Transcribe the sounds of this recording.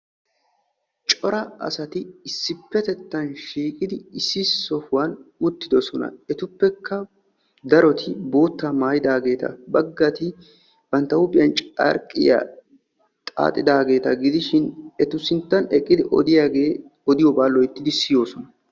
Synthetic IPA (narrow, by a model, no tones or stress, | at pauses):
t͡ʃʼɔɾɐɐ̰sɐt̪ɪːsːɪpːɛt̪ɛt̪ːɐnʃiːkʼɪd̪ɪɪsːɪsɔhʊwɐnʊt̪ːɪd̪ɔsɔnɐ̰ɛt̪ʊpːɛkʰːɐ | d̪ɐɾɔt̪ɪbo̞ːt̪ːamaːjɪd̪aːɡe̞ːt̪ʰɐ̰bɐɡːɐt̪ɪ | b̥ɐnt̪ːɐʊpʼɪjɐnt͡ʃʼɐ̰ɾkʼːɪ̰ja̰ | t̪ʼa̰ːt̪ʼːɪd̪aːɡe̞ːt̪ɐɡɪd̪ɪʃɪnɛt̪ʊsɪnt̪ːɐnɛkʼːɪd̪ɪʔɔ̰d̪ɪjaɡeɔd̪ɪjɔbaːlːɔjɪt̪ːɪd̪ɪsɪjo̞ːsɔnɐ